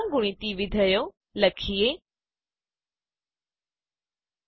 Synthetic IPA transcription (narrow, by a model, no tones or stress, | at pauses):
ɡʊɽ̃it̪iʋɪd̪ʱəjo | ləkʰie